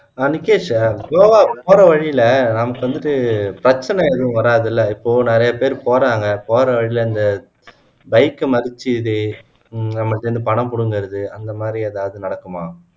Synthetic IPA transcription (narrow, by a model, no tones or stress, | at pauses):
aːnɪkːeːʂaɡoːʋaːpoːɾɐʋɐɻilɐnɐmɐkːɯʋɐnd̪ɯʈɯpɪɾɐt͡ʃːɐnɛɛðɯ̃ʋɐɾaːðɪlːɐɪpːoːnɪɾɐjɐpeːɾpoːɾaːŋɡɐpoːɾɐʋɐɻɪlɐɪnd̪ɐ | bɐɪkːɯmɐɾɯt͡ʃːɯðe | nɐmːɐʈːɯɐnd̪ɯpɐɳɐmpʊɽɯŋɡɪɾɐðɯɐnd̪ɐmaːd̪ɾiɐðaːʋɐðɯnɐɽɐkːɐmaː